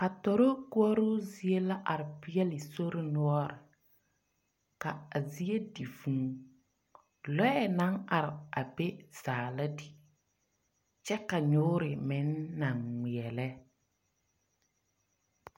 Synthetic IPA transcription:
ka˨tɔ˨ɾo˦ku˦ɔ˦ɾʊ˦zi˨e˦la˦ʔa˨ɾɪ˨pɪ˦ɛ˦lɪ˨so˦ɾɪ˦nu˦ɔ˦ɾɪ˨ | ka˨a˨zi˦e˦di˨fũ˨ŋ | lɔ˦ɛ˦˨na˦ŋa˨ɾɪ˨a˨be˦z̥aː˨la˦di˨ | t͡ʃɛ˦ka˨ɲʊ˦ɾɪ˨mɪ˨˦nːa˨ŋːi˨ɛ˨lɛ˦

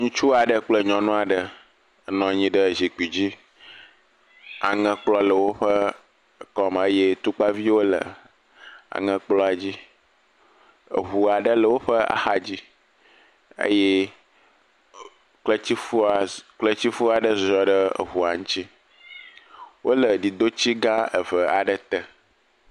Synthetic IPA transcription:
ŋũ˦t͡ʃu˦a˨ɖə˦k͡plə˦ɲɔ̃˨nũ˦a˨ɖə˨ | ə˨nɔ̃˨ɲĩ˦ɖə˦zi˨k͡pi˨d͡ʑi˦ | a̰˨ŋə̃˦k͡plɔ˦lə˨wo˦ɸə˦˨ | kɔ˦m˨ə˦je˦t̪u˦k͡pa˦vi˦wo˦lə̰˨ | a̰˨ŋə̃˦k͡plɔ˦a˨d͡ʑi˦ | ə̰˨ɦu˨a˨ɖə˦lə˨wo˦ɸə˦a̰˨xa˨d͡ʑi˦ | ə̰˦je˦ | k͡plə˦t͡ɕi˦u˦˨k͡plə˦t͡ɕi˦fu˦a˨ɖə˦zɔ˨ɖə˦ə̰˨ɦu˨a˨ŋũ˦t͡ɕi˦ | wo˦lə˨ɖi˨d̪o˦t͡ɕi˦ɡã˦ə˨və˨a˨ɖə˦t̪ə˨

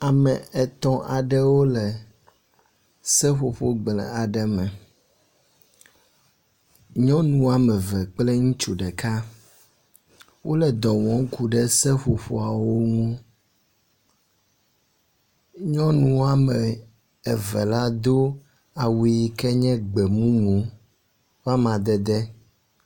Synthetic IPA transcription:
a˨mɛ˨ɛ˨t̪ɔ̃˦ʔa̰˨ɖɛ˦wo˦lɛ˨ | sɛ˦ɸo˨ɸo˦ɡ͡blɛ̰˨a˨ɖɛ˦mɛ̃˨ | ɲɔ̃˦nũ˦a˨mɛ̃˨vɛ˨k͡plɛ˦ŋũ˦t͡ʃu˨ɖɛ˨ka˦ | wʔo˦lɛ˨d̪ɔ˨wɔ̃˨˦ŋku˨ɖɛ˦sɛ˦ɸo˨ɸo˨a˨wo˦ŋũ˦ | ɲɔ̃˦nũ˨˦a˨mɛ˨ | ɛ˨vɛ˨la˦d̪o˦ | a˨wi˨kɛ˦ɲɛ̃˦ɡ͡bɛ˨mũ˦mũ˨ | va˦mã˨d̪ɛ˨d̪ɛ˦

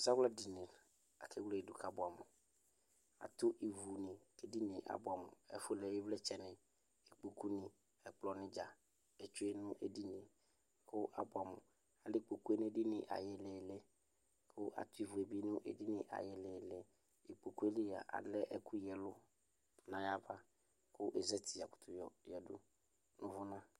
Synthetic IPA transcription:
sa˦wla˦di˨nɪ̃˨ | a̰˨kʰɪ˦wle˦e˨du˨kʰa˦bʊ˨a˨mʊ˨ | a̰˨t̪ʊ˦ʔi˨vu˨nɪ̃˨ke˨di˦nɪ̃˨ʔa̰˨bʊ˨a˨mʊ̰̃˨ɛ̰˨fʊ˦lɛ˨jɪ˦vlɛ˦t͡ʃɛ˨nɪ̃˨ | e˨k͡po˨ku˦nĩ˨ | ɛ˨k͡plɔ˨nɪ̃˦d͡ʒa˨ | e˨t͡ʃʊ˦e˦nʊ̃˦ʔḛ˨di˦nɪ̃˨ | kʊ˦ʔa˨bʊ˨a˨mʊ̰̃˨ | a˨lɪ˦k͡po˨ku˦e˦n˦di˦nɪ̰˨ʔa̰˨jɪ˨lɛ˨le˦ | kʰʊ˦ʔa̰˨t̪ʊ˦i˦vʊ˨e˨bi˦nʊ̃˦ʔḛ˨di˦nɪ̃˨ʔa̰˨jɪ˨lɛ˨lɛ˨ | e˨k͡po˨ku˦e˦li˦ja̰˨ʔa̰˨dlɛ˦ʔɛ˦kʰu˦jɛ˨lʊ˦ | nã˨ja˦ba˦ | kʊ˦ʔe˨zɛ˦tʰi˨a˨kʊ̥˨t̪ʰʊ˨jɔ˨jɛ˨dʊ̰˦ | nʊ̃˦vʊ˦nã˦

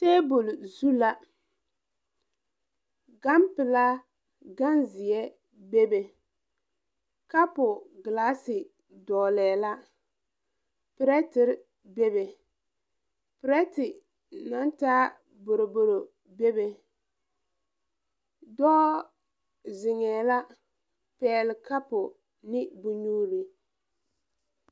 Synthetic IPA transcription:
teː˦bo˨lzu˦la˦ | ɡa˦mpɪ˨la˦ | ɡa˦nzɪ˨ɛ˦ | be˦be˨ | ka˦pʊ˨ɡɪ˨laː˦sɪ˨ | dɔː˨lɛː˨la˦ | pɪ˨ɾɛ˦tɪ˦ɾ | be˦be˨ | pɪ˨ɾɛ˦tɪ˨ | na˦ntaː˦ | bo˨ɾo˨bo˨ɾo˨ | be˦be˨ | dɔː˦ | zɪ˨ŋɛː˨la˦ | pɛː˨˦lɪ˨ka˦pʊ˨ | nɪ˦bʊ˦ɲuː˦ɾi˨

